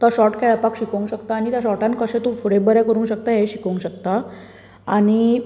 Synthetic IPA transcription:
t̪ɔɕɔʈkaɭəpakɕikə̃ŋɡɕəkt̪aːɽ̃it̪jaɕ̬ɔʈãn̚kəsẽt̪ofuɽebəɾɛkəɾũːnɕək̚t̪aɦeɕikəŋɡɕəkt̪a | aɽ̃i

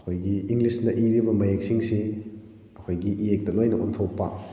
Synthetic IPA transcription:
kʰojɡiiŋɡlisnɐʔiɾibɐmɐjek̚siŋsi | ɐkʰojɡiʔiek̚dɐlojnɐʔɔntʰowpa

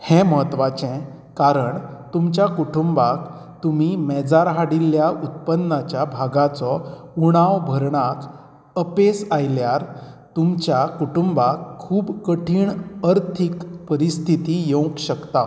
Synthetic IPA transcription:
hɛ̃məɦət̪ʋat͡ɕɛ̃ | kaɾəɳt̪umt͡ɕjakuʈumbak | t̪umimɛd͡zaɾɦaɽilːjaʔut̪̚pənːat͡ɕjabʱaɡat͡sɔuɽ̃aʋbʱəɾɳak | əpesajljaɾt̪umt͡ɕjakuʈumbakʰːuːbkəʈʰiːɳəɾt̪ʰikpəɾist̪ʰit̪ijõwkɕəkt̪a

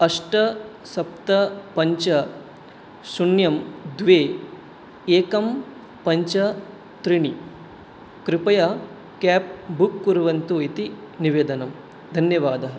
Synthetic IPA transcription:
ɐʂʈɐ | sɐp̚t̪ɐpɐɲt͡ʃɐ | sunjɐmd̪ʋeː | eːkɐm | pɐɲt͡ʃɐ | t̪ɾiɳi | kɾɪpɐja | kaːp̚bukːuɾuʋɐnt̪uit̪i | niʋeːd̪ɐnɐm | d̪ʱɐnjɐʋaːd̪ɐɦɐ

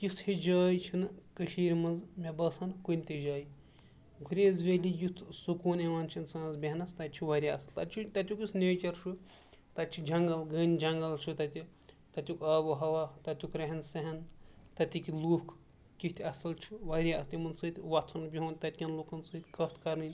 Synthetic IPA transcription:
kishid͡ʒɐːjt͡ʃʰinkəʃiːɾʲmɐnzmʲebɐsʰɐnkunʲt̪ʲed͡ʒaːj | ɡʱuɾʲeːzʋeːlʲijut̪ʰsukuːneʋaːnt͡ʃʰinsãːzbʲeɦnɐst̪ɐt̪t͡ʃʰuʋɐɾʲiɐsɨlt̪ɐt͡ʃʰut̪ɐt̪ʲjukisneːt͡ʃɐɾʃʰu | t̪ɐtt͡ʃʰid͡ʒɐŋɡɐlɡənʲd͡ʒɐŋɡɐlt͡ʃʰut̪ɐt̪ʲi | t̪ɐt̪ʲjukaːʋɨɦɐʋaːt̪ɐt̪ʲukɾeɦɐnsɐɦɐnt̪ɐt̪ʲikiluk | kit̪ʰʲɐsɐlt͡ʃʰuʋɐɾʲiɐst̪imɐnsɨːt̪ʲʋɐt̪ʰɐnbʲiɦuːnʲt̪ɐt̪̚ʲkʲɐnluːkɐnsɨːt̪ʲkɐt̪ʰkɐɾnɨnʲ

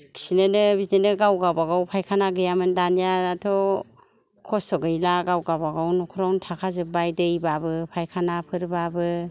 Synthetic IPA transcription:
kʰi̥sinɯnɯbienɯɡawɡabaɡawpʰajkʰanaɡɯjamɯndanijaatʰɔ | kʰɔsɔɡɯjlaɡawɡabaɡawnɔkʰuɾawntʰakʰazɯbajdɯjbabɯpʰajkʰanapʰɯɾbabɯ

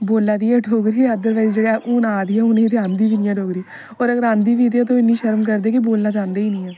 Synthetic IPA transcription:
boːlːaːd̪iːɛːɖʰʱoːɡɾiːɛəd̪əɾʋaːiːzd͡ʒeːɽaːʔuːnaːd̪iːɛːʊnẽːt̪eãːnd̪iːʋinɪjãːɖʱoːɡɾiː | ɔːɾəɡəɾãːnd̪iːʋiːt̪eːt̪̬õːɪnːiːʃəɾmk̬əɾd̪eːkɪboːlnaːt͡ʃãːnd̪eːiːnĩːɛː

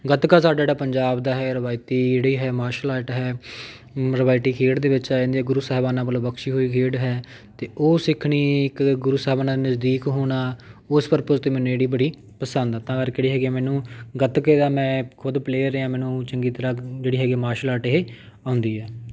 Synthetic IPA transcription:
ɡət̪kaːsaːɖad͡ʒeːɽaːpəɲd͡ʒaːbd̪aːɦɛːɾəʋaːit̪iːeːɽiːɦɛːmaːʃəlaːʈɦɛː | ɾəʋaːɪt̪iːkʰeːɖd̪eːʋɪt͡ʃãːnd̪iːɛːɡʊɾuːsɛɦbaːnãːbəlõːbəkʃiːɦoːiːkʰeːɖɦɛː | t̪eːoːsɪkʰɽ̃iːɪkɡʊɾuːsɛɦbaːnãːd̪iːnəzd̪iːkɦoːɽaːʊspəɾpʊɾt̪eːmɛːnũːeːɽiːbəɽiː | pəsənd̪aːt̪ãːɡəɾkɛːɽiːɦɛːɡemɛːnũːɡət̪keːd̪aːmɛ̃ːkʰʊd̪pleːɾːeãːmɛːnũːt͡ʃəŋɡiːt̪əɾãːd͡ʒeːɽiːɦɛːɡeːmaːʃlaːʈɦeː | ãːnd̪iːɦɛː

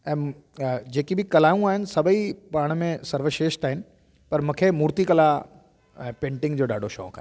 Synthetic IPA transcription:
ɛ̃ː | d͡ʑeːkibʱɪkɐlaːjũaːɦɪnɪ̆sɐbʱipaːɽ̃mẽsɐɾʋəʃeːʃt̪aːɦɪnɪ̆ | pɐɾmʊ̃kʰemuːɾt̪ikɐla | pẽːɳʈɪ̃ŋɡd͡ʑoːɗa̰ːɖʱoʃɔ̰ːkʰaː

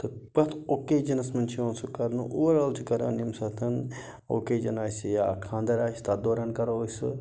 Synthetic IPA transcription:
t̪ɨpɐt̪ʰoːked͡ʒɐnɐsmɐnʲt͡ʃʰiõːnsukɐɾnṵʔuɾɐlt͡ʃʰikɐɾɐ̰nimsɐt̪ʰɐn | o̰ːked͡ʒɐnaːsijaːkʰãːnd̪ɐɾaːst̪ad̪oːɾaːnkɐɾoosɨ

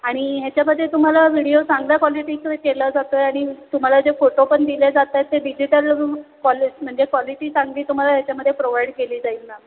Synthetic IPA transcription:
aɽ̃iɦjat͡ɕjaməd̪ʱːet̪um̤alaʋiɽijosãŋɡlakʋɔliʈiːskeləd͡zat̪əaɽ̃it̪um̤alad͡zefoʈopəɳd̪iled͡zat̪əjt̪ːeɖid͡ʑiʈəlkɔlm̤əɳd͡zekʋɔliʈiːsãŋɡliːt̪um̤alaɦjat͡ɕjaməd̪ʱːjepɾoʋaiɖkeliːd͡zait̪na

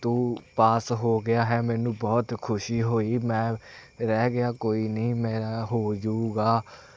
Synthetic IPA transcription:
t̪ũːpaːsɦoːɡɪaːɦɛːmɛːnũːbɔːt̪kʰʊʃiːɦoːiːmɛ̃ːɾɛːɡɪaːkoːiːnəĩːmeːɾaːɦoːd͡ʒauːɡaː

